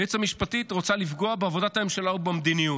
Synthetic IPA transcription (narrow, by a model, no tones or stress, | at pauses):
et͡samiʃpatitʁo̞t͡salifɡo̞abeavo̞d̪ataemʃalaubemd̪iniju